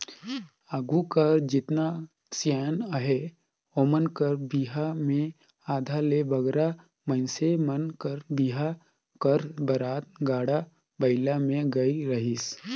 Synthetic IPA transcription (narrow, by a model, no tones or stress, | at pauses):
aːɡukəɾd͡ʒɪt̪na | sjɛːnəɦe | omənkəɾbiːɦamẽ | aːd̪ʱalebɐɡɾa | mə̃nsemənkəɾbiːɦa | kəɾbɐɾaːt̪̚ɡaːɽa | bɐɪlamẽɡɐiɾɐɦɪs